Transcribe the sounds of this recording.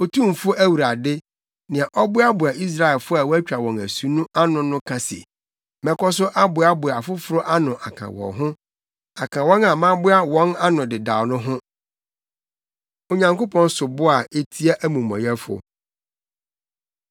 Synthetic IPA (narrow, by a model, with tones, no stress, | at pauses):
o˨tʰũ˦˨m˨fʊ˦æ˦wu˨ɾa˨dɪ˦ | nɪ̃˨ã˨ʔɔ˦bʊ˦a˦bʊ˨a˨i˦s̬ɾa˦ɛ˨lfʊ˦a˨wɔ˦æ˦t͡ɕᶣa˨wɔ̃˨næ˨su˦nũ˦a˦nʊ̃˨nʊ̃˦kʰã˨sḛ˨ | mɛ̃˨kɔ˦s̬ʊ˦ʔa˦bʊ˨a˦bʊ˨a˨fʊ˦fʊ˨ɾʊ˦ʔa˦nʊ̃˨ʔa˨kʰã̰˨wɔ̰̃˨ɦʊ̃˦ | a˨kʰã˨wɔ̃˦na˨mã˦bʊ˦a˦wɔ̃˦na˦nʊ̃˨dɪ˨da˨wnʊ̃˦ɦʊ̃˦ | o˨ɲã˨ŋko˦pʰɔ̃˦n˦sʊ˨bʊ˦a˨e˦tʰi˦a˦ʔæ˦mũ˨mɔ̰̃˨jɛ˦fʊ̰˨